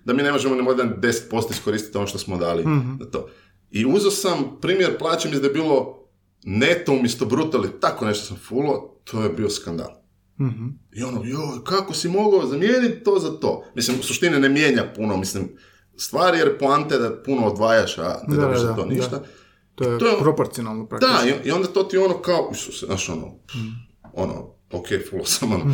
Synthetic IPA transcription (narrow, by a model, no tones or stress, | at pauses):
d̪amiːne̞mo̞ʒemonimod̪and̪e̞se̥t̪̚po̞st̪oisko̞ɾiːst̪i̥t̪o̞noʃt̪osmod̪aːlinat̪o̰ | iuzosampɾiːmjeɾplˠaːt͡ʃemisd̪ajebiːlˠo | net̪oumjest̪obɾut̪oalit̪akone̞ʃt̪osamfulot̪ʰojebioskand̪a̰ːl | io̞nojokakosimo̞ɡozamjeːnit̪t̪oːzat̪o̰ːmislimusuʃt̪ininemje̞ːɲapunomislim | st̪ʋaːɾijeɾplant̪ed̪apunoːd̪ʋaːjaʃa̰neddozaoːniʃt̪a | t̪it̪ojeɾopoɾt̪sionalˠnopɾad̪aioio̞nd̪at̪o̞ːt̪io̞nokaoʔisusena̰ːʃo̰no̰ | o̰no̰ | okʰejfulosamono